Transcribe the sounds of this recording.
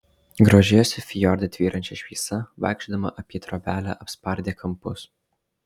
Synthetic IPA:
ɡɾoːʒʲeːjosʲɪfʲɪjɔɾʲd̪ʲɐt̪ʲʋʲiːɾʔɐnʲt͡ʃʲɛʃʲʋʲisɐʋɐ̰ˑɪkʃʲd̪ɐmɐ̰ʔɐpʲɛt̪ɾoːbʲæːlʲæ̰ːʔɐpspɐɾʲd̪ʲeːkʰɐmpʊs

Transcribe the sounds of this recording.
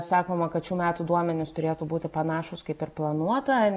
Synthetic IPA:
sɑːkoːmɐkɐt̪t͡ʃʲuːmʲæːt̪uːd̪uɔmʲɛnʲɪst̪ʊɾʲeːt̪uːbuːt̪ʲɪpɐnɑːʃʊskɐɪpɪɾplˠɐnuɔt̪ɐ

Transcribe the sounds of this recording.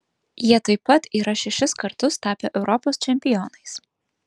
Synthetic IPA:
jiɛt̪ɐɪpɐt̪iːɾɐʃʲɛʃʲɪskɐɾt̪ʊst̪ɑːpʲeːʔɛʊɾɔpoːst͡ʃʲɛmʲpʲɪjɔnɐɪs

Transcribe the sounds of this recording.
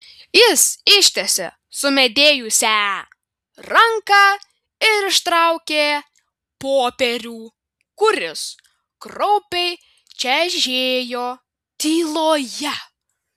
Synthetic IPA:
jɪsɪʃʲt̪ʲɛsʲɛ̰ | sʊmʲɛd̪ʲeːjʊsʲæ | ɾɐŋkɑː | ɪɾɪʃt̪ɾɐʊkʲeː | poːpʲɛɾʲuː | kʊɾʲɪs | kɾɔʊpʲɛɪ | t͡ʃʲɛʒʲeːjoː | t̪ʲiːlˠoːjɛ

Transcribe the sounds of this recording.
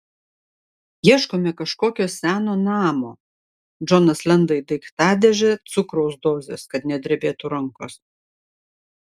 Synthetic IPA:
jiɛʃkoːmʲɛkɐʃkoːkʲoːsʲæːnoːnɑːmoː | d͡ʒɔnɐslʲɛnd̪ɐɪd̪ɐɪkt̪ɑːd̪ʲɛʒʲɛt̪sʊkɾɔʊsd̪oːzʲeːskɐt̪nʲɛd̪ʲɾʲɛbʲeːt̪ʊɾɐŋkoːs

